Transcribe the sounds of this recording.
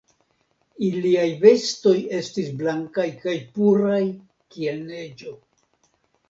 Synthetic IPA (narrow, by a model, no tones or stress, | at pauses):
iliajve̞sto̞je̞stisblaŋkajkajpuɾaj | kie̞lne̞d͡ʒo̞